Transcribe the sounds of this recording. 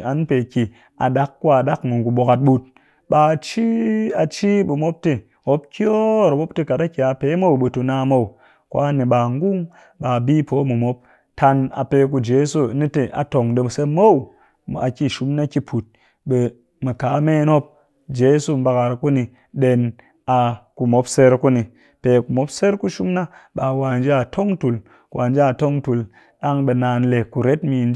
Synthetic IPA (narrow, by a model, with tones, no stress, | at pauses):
a˨n˦pe˨kʲi˨ | a̰˨ɗa˦kːwa˨da˦kmɨ˨ŋ˨ɡu˨ɓo˨ka˨t̚ɓu˧t̚ | ɓa˨t͡ʃi˦a˨t͡ʃi˦ɓu˨mo˦p̚te˦˨ | ho˦p̚kʲjo˦˨ɾa˨ɓo˦pte˦ka˨ta˦kʲi˨a˨pe˦mo˦u˨ɓe˨tu˧naː˧˦mo˦u˨ | kwa˦ne˨ɓa˨ŋɡu˦ŋ | ɓa˨bi˦po˨˦mu˨mo˦p̚ | ta˧na̰˨pe˧k̬u˧d͡ʒe˨˦so˦ni˦te˨ʔa̰˨to˨ŋde˧˨se˦mo˦u˨ | a̰˨ki˦˨ʃu˦mna˦ki˦pʰu˨t̚ | ɓe˨ | mɨ˨ka˨˦me˦no˦p̚ | d͡ʒe˦su˦˨m̩˦ba˧ka˨ɾku˦ni˧ | ɗe˧n | a˨ku˨mo˦pse˦ɾku˦ni˨ | pe˨ku˨mo˦pse˦ɾku˦ʃu˦mna˦ɓa˨wa˨n˦d͡ʒa˦˨tʰo˦ŋtu˨l | kwʔa˨nd͡ʒa˦˨to˦ŋtu˨l | ɗa˦ŋɓe˧na˨n˦le˨ku˨ɾe˦tmi˧n˦d͡ʒ